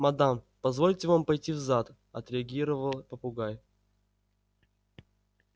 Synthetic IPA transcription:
mɐd̪am | pɐzvo̞lʲtʲɪvampɐjtʲivzat̪ | ɐt̪ɾʲɪɐɡʲiɾəvəlˠpəpʊɡaj

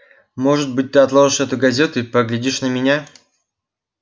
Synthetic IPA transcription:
mo̞ʐɨt̪̚bɨt̚ʲt̪ɨɐt̪lˠoʐɨʂɛt̪ʊɡɐzʲet̪ʊipəɡlʲɪdʲiʂnəmʲɪnʲa

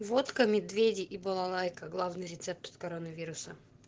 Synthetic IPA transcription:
vot̪kəmʲɪd̪vʲedʲɪʔibɐlˠɐlˠajkəɡlˠavnɨjɾʲɪt̪sɛp̚t̪o̥t̪kɐɾonəvʲiɾʊsə

